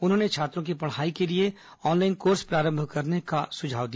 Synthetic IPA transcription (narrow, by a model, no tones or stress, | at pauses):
ʊnɦõːnet͡ʃʰaːt̪ɾõkipɐɽ̤aːikelie | ɔːnlaːɪnkoːɾspɾaːɾə̃mbʱkɐɾneka̰sʊd͡ʒʱa̰ːʋd̪ija